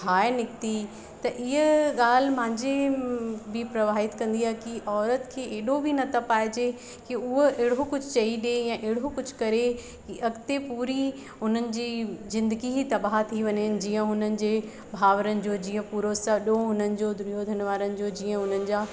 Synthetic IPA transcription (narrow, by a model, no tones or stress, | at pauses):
aːɪnɪkt̪i | t̪ɐʔɪɦəɠaːl̤mãːɲd͡ʑe | bɪpɾɐʋaːɦɪt̪kɐ̃nd̪iaːɦekiʔɔːɾət̪kʰeːʔeːɗobʱinɐt̪ʰɐpaːɪd͡ʑe | kiʊɦoeːɽ̤okʊd͡ʑʱʊt͡ɕɐiɗejãʔeːɽ̤okʊd͡ʑʱʊkɐɾe | kiʔɐɡt̪epuːɾi | ʊn̤ənɪ̆d͡ʑiːzɪ̃nd̪əɡiɦit̪ɐbaːɦt̪ʰiʋɐɲənɪ̆d͡ʑiːə̃ɦʊnənɪ̆d͡ʑeː | bʱaːʋəɾənɪ̆d͡ʑoːd͡ʑiːə̃puːɾosɐɗoɦʊnənɪ̆d͡ʑoːd̪ɾijod̪ʱɐnʋaːɾənɪ̆d͡ʑoːd͡ʑiːə̃ɦʊn̤ənɪ̆d͡ʑaː